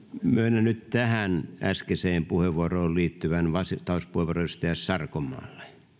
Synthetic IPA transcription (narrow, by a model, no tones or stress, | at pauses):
møinːænnytt̪æhænæ̰skeseːmpuheʋuoroːlliːt̪ːyʋænʋɑset̪ɑuspuheʋŭoroyst̪eæssɑrkomːˑɑ̰ːlːe̥